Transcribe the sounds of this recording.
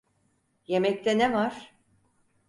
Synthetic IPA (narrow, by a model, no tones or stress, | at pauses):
je̞mɛct̪ʰɛnevaɾ̥